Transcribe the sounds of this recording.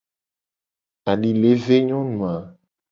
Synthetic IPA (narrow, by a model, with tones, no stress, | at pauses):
a˨ɖi˨le˨˦ve˦ɲɔ̃˦nũ˨a˨